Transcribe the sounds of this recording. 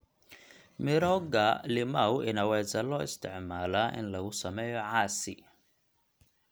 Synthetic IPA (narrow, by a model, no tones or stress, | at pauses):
mɪɾɔɡɐlɪmawɪnɐwɛːsɐlɔːɪst̪ʰɪʕmaːlaːʔɪ̰nlɐɣʊsɐmɛːjɔʕɑːsɪ̰